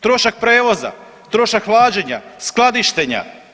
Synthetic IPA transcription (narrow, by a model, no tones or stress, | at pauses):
t̪ɾo̞ʃak̚pɾeːʋo̞za̰ | t̪ɾo̞ʃakʋlaːd͡ʒeɲasklˠad̪iʃt̪eɲa̰